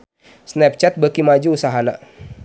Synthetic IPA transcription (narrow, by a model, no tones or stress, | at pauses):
snɛp̚t͡ʃɛt̪̚bəkimad͡ʒuusaɦana̰